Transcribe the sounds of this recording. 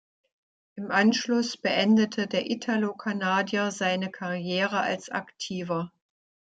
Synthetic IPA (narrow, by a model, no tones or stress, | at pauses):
ʔɪmʔanʃlʊsb̥əʔɛndətʰədeːɐʔitʰalokʰanaːdjɐzaɪnəkʰaʁjeːʁəa̰lsʔa̰ktʰiːvɐ